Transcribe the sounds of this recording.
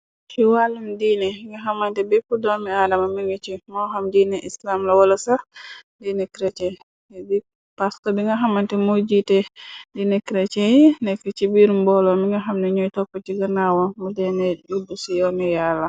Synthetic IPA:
kiwalːumdiːnɛŋɡaɦamantɛbɛpːudɔmiaːdamamiŋit͡ʃimɔɦamd͡ʒinɛʔislamlawɔlɔsadinɛkɾɛt͡ʃɛ | di | paskɔbiŋɡaɦamantɛmod͡ʒitɛdinɛkɾɛt͡ʃɛjnɛkːɛt͡ʃibiɾumbɔlɔmiŋɡaɦamnɛɲɔjtɔpːɔt͡ʃiɡanawɔmudɛnɛd͡ʒubusijɔnɛjalːa

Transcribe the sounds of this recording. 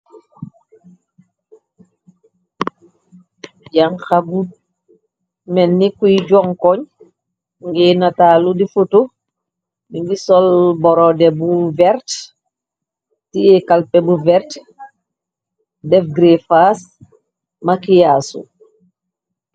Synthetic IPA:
jaŋxabud̚ | mɛnːikuiɟɔŋkɔɲ | ŋɡɛnataːludifutu | biŋɡisɔlbɔɾɔdɛbuvɛɾt | tijɛkalpɛbuvɛɾt | dɛfɡɾefas | makijasṵ

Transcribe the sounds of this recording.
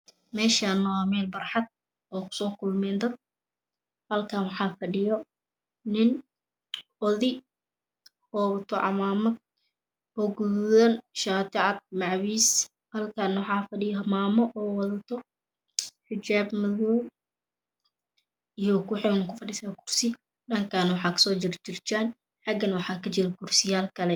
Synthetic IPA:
mɛːʃaːnɐaːmɛːnbɐrħɑd̪̚ | ɔːkʰʊ̥sɔːkʰʊlmɛːnd̪ɐd̪̚ | hɐlkʰaːnwɑħɑːfɐɖɪjɔ | nɪn | ɔðɪ | hɔːwɐt̪ʰɔʕɑ̰maːmɐd̪̚ | ɔːɡuððɐnʃaːt̪ʰɪʕɑd̪̚mɑʕwiːs | hɐlkʰaːnɐwɑħɑːfɐɖɪjɔmaːmɔʔɔːwɐðɐt̪ʰɔ | ħɪt͡ʃaːbmɐðuːl | ijɔkʰʊħɛkʰʊfɐɗɪsaːkʰʊrsɪ | ɗɐŋkʰaːnɐwɑħɑːkʰɐ̥sɔːt͡ʃɪɾt͡ʃɪrt͡ʃaːn | ħɑɡɐnwɑħɑːkʰɐt͡ʃɪɾɐkʰʊrsɪjaːlkʰɐlɛ

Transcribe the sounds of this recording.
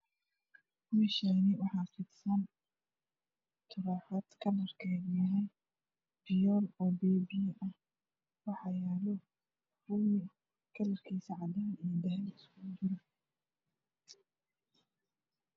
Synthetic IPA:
mɪʃaːnɪwɑħɑːfɪd̪sɐn | t̪ʰʊɾaːħɐd̪kʰɐnɐrkʰɛːɡnɐɦɛj | bɪjɔːlɔːbɛːbijʔɐh | wɑħɑjaːlɔ | ruːmɪ | kʰɐlɐrkʰiːsɐʕɑd̪aːnijɔd̪ɐɦɛnɪskʊd͡ʒɪɾɐ

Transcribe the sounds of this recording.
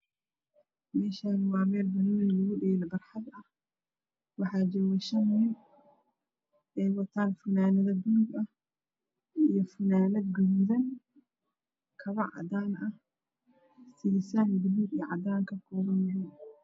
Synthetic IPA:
mɛːʃaːnwɑːmɛːlbɐnunlʊɣʊɖɛlɐbɐrħɑd̪ɐh | wɑħɑːd͡ʒɐwɛʃɐmʊɪn | ɛjwɐt̪ʰaːnfʊnaːnɐðɐɡuːɡɐh | ijɔfʊnaːnɐd̪ɡʊðuːðɐn | kʰɐβɐʕɑ̰d̪aːnʔɐh | sisaːnɡʊðuːbijʕɑ̰d̪aːŋkʰɐkʰɔːβɐnɐɦɪn

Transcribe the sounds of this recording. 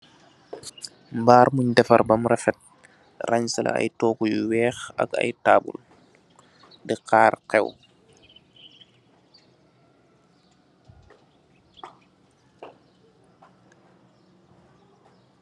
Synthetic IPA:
mbaːɾmuɲdɛfa̰ɾbamɾɛfɛt̚ | rʔaɲsala̰a̰jtɔːkujuwɛːxa̰ɡa̰jtaːbṵl | dɛqaːɾqɛw

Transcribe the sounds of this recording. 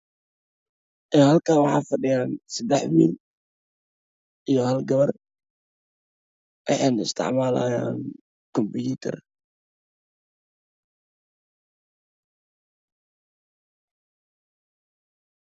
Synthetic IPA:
ʔɛːhɐlkʰaːwɑħɑːfɐɖɪjaːnsɐd̪ɛħwḭːn | ʔijɔhɐlɡɐβɐr | ʔɪħɛnɪst̪ʰɪ̰ʕmaːla̰ja̰ːn | kɔmbjuːt̪ʰɛ̰r

